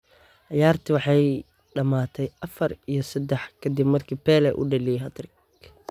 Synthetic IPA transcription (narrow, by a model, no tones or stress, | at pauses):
ʕɑjaːrt̪ʰɪwɑħɑj | ɖɐmaːt̪ʰɛjʔɐfɐrijɞsɐd̪ɛħkʰɐd̪ɪbmɐrkʰiːbpɛːlɛʔʊ̰ɖɐlijɦɐt̪rɪk